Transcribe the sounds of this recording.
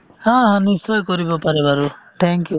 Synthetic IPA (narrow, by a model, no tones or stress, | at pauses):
hãɦãnisɔjkɔɾibɔpaɾɛbaɾuʈ̪ʰɛŋkju